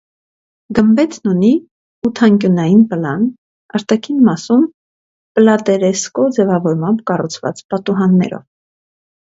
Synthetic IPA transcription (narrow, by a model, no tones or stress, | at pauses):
ɡəmbɛt̪nuni | ut̪ʰɑŋkʲjunɑjinpəlɑn | ɑɾt̪ɑkʰinmɑsum | pəlɑt̪ɛɾɛskɔd͡zɛvɑvɔɾmɑmbkɑrut͡sʰvɑ̰t͡spɑt̪uɦɑnːɛ̰ɾɔ̰v